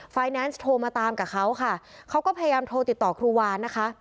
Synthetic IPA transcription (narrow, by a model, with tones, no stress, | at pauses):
faː˧jnɛː˦˥nst̪ʰoː˧maː˧t̪aː˧mkaː˨˩kʰa˦˥wkʰa˥˩kʰa˦˥wkɔː˥˩pʰa˧ja˧jaː˧mt̪ʰoː˧t̪i˨˩t̪ːɔː˨˩kʰɾuː˧waː˧nːa˦˥kʰa˦˥ʔ